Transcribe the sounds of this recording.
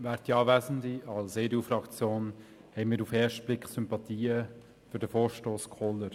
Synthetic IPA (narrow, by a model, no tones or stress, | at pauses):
væːɾtiɑːvæzn̩diɑlseːduːfɾɑkt͡sjoːn | hɛɪnmiːɾufɛːʃt̚b̥lɪkχsʏmpɑtʰiːə | fʏɾd̥əfoːɾʃtoːskʰɔləɾ